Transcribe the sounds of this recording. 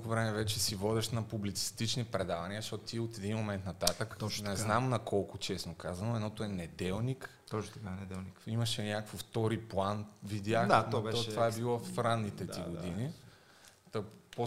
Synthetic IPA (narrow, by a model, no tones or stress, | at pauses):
kʊvɾɛmɛvɛt͡ʃɛsivɔd̪ɛʃnɐpublit̪si̥st̪it͡ʃnipɾɛd̪avɐniəɐzɐʃtɔt̪ʊt̪iot̪ɛd̪inmomɛnt̪nɐt̪at̪ək̪nɛznamnɐkɔlˠkʊt͡ʃɛsnokazɐnoɛd̪nɔt̪oɛnɛd̪ɛlˠnik̪ | ɔt̪kad̪ɛnikimɐʃɛnʲakkfəft̪ɔɾiplˠanvid̪ʲjaxat̪ɔɛt̪ɔvaɛbilˠɔɾanːit̪ɛd̪iɡod̪ini | t̪ɔpo